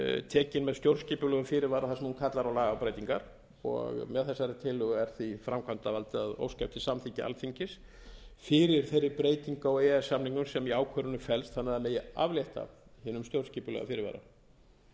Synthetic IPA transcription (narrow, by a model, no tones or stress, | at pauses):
t̪ʰɛːcɪnmɛðst̪jowɾsciːpʏlœːɣʏfɪːɾɪɾvaːɾaθasɛmhunkʰat̪laɾawlaːɣawpɾeːjt̪iŋkaɾ̥ | ɔ̰ɣmɛðθɛsːaɾɪt̪ʰɪːlːʏɣɛɾ̥θifɾamkʰvant̪avalt̪ɪaðo̰wscaft̪ɪsamθʰiɲcɪʔa̰lfiɲcɪs | fɪːɾɪɾ̥θejɾːɪɾpɾeːjt̪iŋkaɔɣɛɛsːamniŋkʏmsɛmiaːwkʰvœːɾʏnʏfɛlst̪θanːaðameːjɪa̰vljeht̪a̰hɪːnʏmst̪jowɾsciːpʏlœ̰ɣa̰fɪɾɪɾva̰ːɾa̰